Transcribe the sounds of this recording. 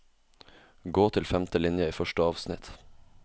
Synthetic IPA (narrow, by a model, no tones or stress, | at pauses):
ɡoːt̪ʰɪlfɛmt̪əlɪnjəiːfœʃʈəɑːʋsnɪt̪